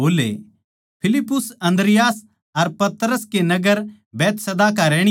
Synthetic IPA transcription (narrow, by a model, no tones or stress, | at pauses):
oːlḛ | pʰɪlɪpːʊsɐ̃nd̪ɾɪjaːs | ɐɾpɐt̪ɾəskenɐɡəɾ | bɛːt̪sɐd̪aːk̬aɾɛːɽ̃